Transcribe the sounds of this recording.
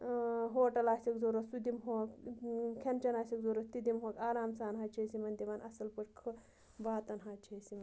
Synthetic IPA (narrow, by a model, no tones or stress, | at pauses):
ɦoːʈɐlaːsikzoɾosud̪imɦoːkkʲʰɐnt͡ʃɐnaːsikzoɾot̪id̪imɦoːkaːɾaːmsaːnɦaːt͡ʃʰeːsimɐnd̪iʋɐːnɐsɐlpɐʈkʰɨ | baːt̪ɐnɦaːt͡ʃʰesimɐn